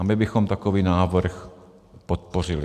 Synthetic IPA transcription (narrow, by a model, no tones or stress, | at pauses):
abɪbɪxɔmt̪akoviːnaːvr̩x | pot̪̚por̝ɪl